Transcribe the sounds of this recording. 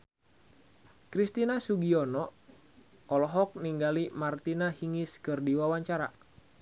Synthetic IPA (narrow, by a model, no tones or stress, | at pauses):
kɾist̪inasuɡiɔnɔ | ɔlɔɦɔk̚niŋɡalimart̪inahiŋiskɨrdiwawaɲt͡ʃaɾa